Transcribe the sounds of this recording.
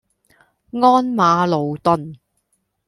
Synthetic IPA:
ŋɔː˥nmaː˨˧lo˨wt̪ɵ˨˧n

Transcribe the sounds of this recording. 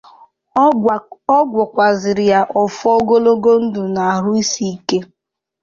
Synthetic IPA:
ɔ˦ɡʷɔ˨kʷa˨zɪ˨ɾɪ˨ja˦ʔɔ˨fɔ˦ɡo˦lo˦ɡo˦n̩˦dʊ˨na˨a˨ɾʊ˦i˦si˦i˦ke˦

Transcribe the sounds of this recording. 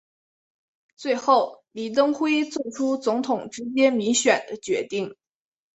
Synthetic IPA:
t͡swe˥˧ɪxo˥˩ʊli˨˩t̪̬ɤ˥ŋxwe˥ɪt͡sɔ˥˩ʈ͡ʂʰu˥t͡sʊ˧˥ŋt̪ʰʊ˨˩ŋʈ͡ʂɻ̩˥t͡ɕjɛ˥nmi˧˥ŋɕɥɛ˨˩nd̪ə˦t͡ɕɥɛ˧˥t̪i˥˩ŋ

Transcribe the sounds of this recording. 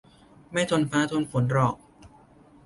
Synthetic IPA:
ma˥˩jt̪ʰo˧npʰaː˦˥t̪ʰu˧nfu˩˦nɾɔː˨˩k̚

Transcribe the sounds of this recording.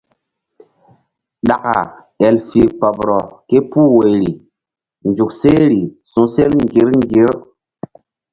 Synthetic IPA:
ɗa˨ka̰˨ | ɛ˨lfi˨pɔ˨bɾɔ˨ke˦puː˦we˨jɾi˨ | nd͡ʒu˨kse˦ɾi˨sũ˨se˦lŋɡi˨˦ɾŋ˦ɡi˨˦ɾ

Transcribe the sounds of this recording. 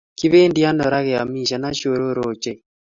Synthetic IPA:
ki˦βeː˦ndja˦nɔ˨ɾa˦ɣe˨a˨mi˦˨ʃa˨na˦ʃo˨ɾo˦ɾo˨t͡ʃe˦

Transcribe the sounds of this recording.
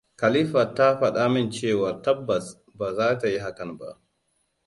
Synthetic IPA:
ka˨li˦ɸa˨tːa˦ɸa˨ɗaː˦mɪ˦nt͡ʃeː˦˨wa˨tɐ˦bːɐ˨s | ba˨zaː˦ta˨ji˦ɦa˨kɐ˨nba̰˨ʔ

